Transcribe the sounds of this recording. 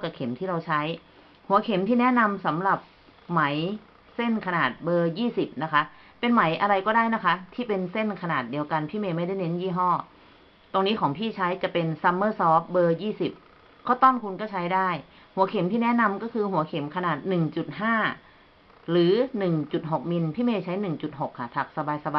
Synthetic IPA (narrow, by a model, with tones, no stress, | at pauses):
ka˨˩kʰe˩˦mt̪ʰiː˥˩ɾa˧wt͡ɕʰa˦˥j | hu˩˦ɐkʰe˩˦mt̪ʰiː˥˩nɛ˦˥na˧msa˩˦mɾa˨˩p̚ | ma˩˦j | se˥˩nkʰa˧naː˨˩t̪̚bɤː˧jiː˥˩si˨˩p̚na˦˥kʰa˦˥ʔ | pe˧nma˩˦jʔa˧ɾa˧jkɔː˥˩daː˥˩jna˦˥kʰa˦˥t̪ʰiː˥˩pe˧nse˥˩nkʰa˧naː˨˩t̪̚di˧əwka˧npʰiː˥˩meː˧ma˥˩jda˥˩jne˦˥njiː˥˩ɦɔː˥˩ | t̪o˧ŋniː˦˥kʰɔː˩˦ŋpʰiː˥˩t͡ɕʰa˦˥jt͡ɕa˨˩pe˧nsa˧mːɤː˥˩sɔː˦˥p̚bɤː˧jiː˥˩si˨˩p̚ | kʰa˦˥˩wt̪ɔː˥˩nkʰu˧nkɔː˥˩t͡ɕʰa˦˥jdaː˥˩j | hu˩˦ɐkʰe˩˦mt̪ʰiː˥˩nɛ˦˥na˧mkɔː˥˩kʰɯː˧hu˨˩˦ɐkʰe˩˦mkʰa˧naː˨˩t̪̚nɯ˨˩ŋt͡ɕu˨˩t̪̚ɦaː˥˩ | ɾɯː˩˦nɯ˨˩ŋt͡ɕu˨˩t̪̚ɦo˨˩k̚mi˧npʰiː˥˩meː˧˩t͡ɕʰa˦˥jnɯ˨˩ŋt͡ɕu˨˩t̪̚ɦo˨˩kʰːa˧˩p̪ʰa˨˩k̚sa˧baː˧jsa˧ba˧